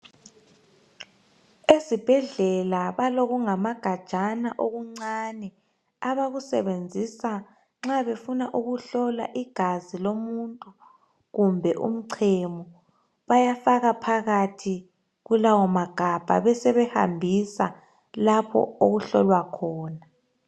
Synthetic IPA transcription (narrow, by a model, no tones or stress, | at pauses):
esib̥ʱɛɮɛlaβaloɣuŋamaɡ̥ʱad̥ʒ̥ʱanaʔoɣuŋ͡ǀanɛ | aβaɣusɛ̰βend͡zʱisa | ŋ͡ǁaβefunaʔuɣuɬɔla̰ʔiɡ̥ʱazilomuntʼu | ɣumbʱɛʔṵm̩ǀʰemɔ | βajafaɣapʰaɣatʰi | ɣulawɔmaɡ̥ʱab̥ʱa̰βɛsɛβɛha̰mbʱisa | lapʰɔ̰oɣuɬɔ̰lwakʰɔːna